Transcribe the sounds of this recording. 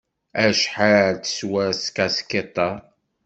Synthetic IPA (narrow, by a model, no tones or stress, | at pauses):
æʃħaɾt͡sə̥swæɾskæsket̪ˤːɑ